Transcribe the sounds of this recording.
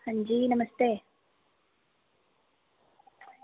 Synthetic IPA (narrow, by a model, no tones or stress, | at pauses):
hɐɲd͡ʑiːnɐmɐst̪eː